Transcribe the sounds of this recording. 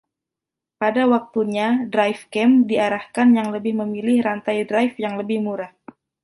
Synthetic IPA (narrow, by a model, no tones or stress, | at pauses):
padawak̚t̪uɲadɾajfkɛmdiaɾahkanjaŋləbɪhməmilɪhrant̪ajdɾajfjaŋləbɪhmuɾah